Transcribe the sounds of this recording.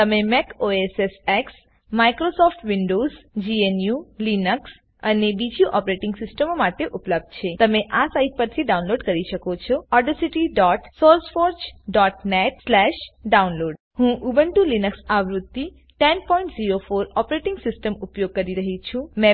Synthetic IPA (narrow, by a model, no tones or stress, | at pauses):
t̪əmemekoeseseks | maikɾosɔfʈʋiɳɖozd͡ʒienjulinəks | ənebid͡ʒjũʔɔpɾeʈɪŋɡsɪsʈəmomaʈeʔupləb̚d̪̚t͡ʃʰet̪əmeʔasait̚pəɾt̪ʰiɖaunloɖkəɾiʃəkot͡ʃʰɔɔɾɖəsiʈiɖɔʈsoɾsfoɾd͡ʒɖɔʈneʈslɛʃɖaunloːɖ | hũʔubəɳʈũlinəksaʋɾʊt̪ːi | ʈɛnpɔjĩɳʈziɾofoɾɔpɾeʈɪŋɡsɪsʈəmupjoɡ̚kəɾiɾəɦit͡ʃʰũmɛ